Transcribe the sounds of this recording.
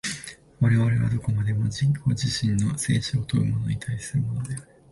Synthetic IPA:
βaɾe̞β̞aɾe̞βa̰d̪o̞ko̞mad̪e̞mo̞d͡ʑĩko̞̰ːʑiɕĩnːo̞se̞̰ːɕoːt̪o̞ɯ̟mo̞no̞ɲit̪ʰaisɨɾɯ̟mo̞no̞d̪e̞aɾɯ̟

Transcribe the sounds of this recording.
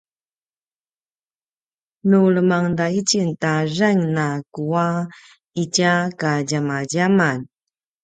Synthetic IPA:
nuɭəmaŋdait͡ɕintaraŋnakua | icakaɟamaɟaman

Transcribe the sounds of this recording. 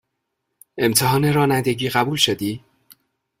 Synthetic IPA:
e̞mt̪ʰeɦɒːne̞ɾɒːnænd̪e̞ɟiːɣæbuːlʃod̪iː

